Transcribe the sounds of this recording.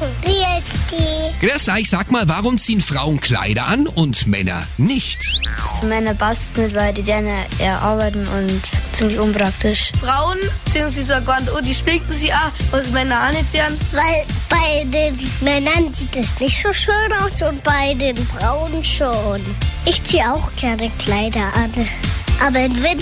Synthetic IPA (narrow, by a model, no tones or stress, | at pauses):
diːɛtd̥iːɡ̥dɛsaɪçz̥aːkmaːlvaʁʊmt͡siːənfʁ̥aʊənkʰl̥a̰ɪɾɐʔa̰nʊntmɛ̰nɐ̰ | nɪçtazomɛnɐbastsnɪtvaɪldiːdɛnɐɛ̰ɐʔa̰ɐbaɪtn̩ʊ̰ntt͡sɪmlɪçʊnpʁ̥ak̚tɪʃfʁaʊənt͡siːŋziːzoaɐɡvantodiːʃpɪk̚tn̩ziːʔaʔazmɛnɐanɪd̥ɛɐnvaɪlb̥aɪdeːnmɛnɐnziːtɛsnɪçtz̥oːʃøːnaʊsʊntb̥aɪdeːnfʁaʊnʃoːn | ʔɪçt͡siːəaʊxɡ̥ɛɐnəkl̥aɪdɐʔan | ʔaːbɐɪnvɪd